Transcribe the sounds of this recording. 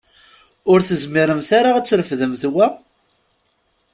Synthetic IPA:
ʊɾθəzmiɾəmθaɾaæt͡sːɾəfðəmθwæ

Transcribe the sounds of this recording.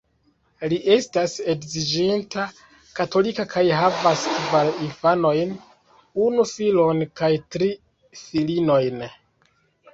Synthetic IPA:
liʔe̞stase̞kzid͡ʒintʰa | kato̞likakʰajɦavastvalinfano̞jn | unufilo̞nkajtɾi | filino̞jn

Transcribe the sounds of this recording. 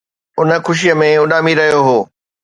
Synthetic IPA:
ʊnə̆xʊʃ̬ijəmẽʊɗaːmiɾɐɦijoɦoː

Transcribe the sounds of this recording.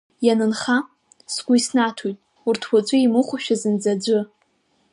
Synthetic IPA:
janɨnχa | sɡʷʼʊisnatʰujtʼ | urtʰwʷat͡ɕʷʼʊimuχʷaʃᶣazɨnd͡zad͡ʒʷʊ

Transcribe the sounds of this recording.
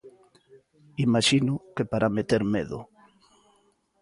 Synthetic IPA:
imaʃinʊkepaɾʔamet̪eɾmeðʊ̰

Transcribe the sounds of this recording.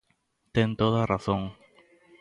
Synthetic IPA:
t̪ẽŋt̪oðaraθõŋ

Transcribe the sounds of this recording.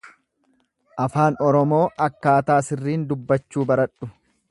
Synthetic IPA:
ʔɐfaːnɔɾɔmo̞ːʔɐkːaːt̪aːsɪrːiːnd̪ʊbːɐt͡ʃːuːbɐɾɐᶑʊ

